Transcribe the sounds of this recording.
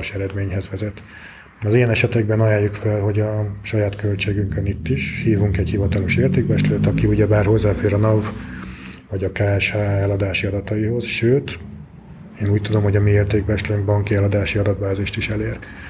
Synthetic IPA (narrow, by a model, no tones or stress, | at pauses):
ʃɛɾɛd̪meːɲɦɛzʋɛzɛt̪ | ɒzijɛnɛʃɛt̪ɛɡ̚bɛnɒjaːjːukfɛlɦo̞ɟɒʃɒjaːt̪kølt͡ʃeːɡyŋkønit̪ːiʃhiːvuŋkɛɟhivɒt̪ɒloʃeːrt̪eːɡ̚bɛʃløːt̪ɒkiuɟɛbaːrho̞zːaːfeːɾɒnɒv | vɒɟɒkaːɛʃhaːɛlɒd̪aːʃiɒd̪ɒt̪ɒjiho̞zʃøːt̪ | eːnuːc̚t̪ud̪o̞mho̞ɟɒmieːrt̪eːɡ̚bɛʃløŋɡbɒŋkiɛlɒd̪aːʃiɒd̪ɒt̪baːziʃt̪iʃɛleːr